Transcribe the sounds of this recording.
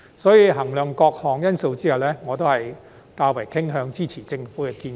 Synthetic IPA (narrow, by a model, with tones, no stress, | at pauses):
sɔː˨˥jiː˨˧ɦɐ˨˩ŋlœː˨ŋkɔː˧k̚hɔː˨˩ŋjɐ˥nso˧wt͡siː˥hwlɛː˥ŋɔː˨˧t̪o˥whɐ˨j | t̪aː˧wɐ˨˩jkʰɪ˥ŋɦœː˧ŋt͡siː˥t͡sʰiː˨˩t͡sɪ˧ŋfuː˨˥kɛ˧kiː˧n